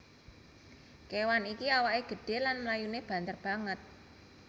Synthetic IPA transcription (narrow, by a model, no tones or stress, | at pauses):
kewanikiawaʔeɡ̥ə̤ɖ̥e̤lanməlajuneb̥ä̤nt̪ərb̥a̤ŋət̪̚